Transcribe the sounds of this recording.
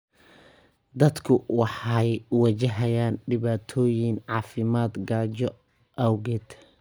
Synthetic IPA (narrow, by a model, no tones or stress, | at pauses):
d̪ɐd̪kʰʊwɑħɑjwɐt͡ʃɐɦɐjaːnɖɪβaːt̪ʰɔːjɪŋʕɑːfɪmaːd̪ɡaːt͡ʃɔ | ʔɐwɡɛd̪